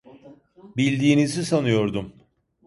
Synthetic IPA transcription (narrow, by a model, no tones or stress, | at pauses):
bilʲd̪iːnizisanɯjo̞ɾd̪um